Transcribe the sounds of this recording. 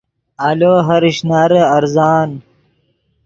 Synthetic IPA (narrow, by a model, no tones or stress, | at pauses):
aloːɦɐɾiɕnaɾəɐɾzaːn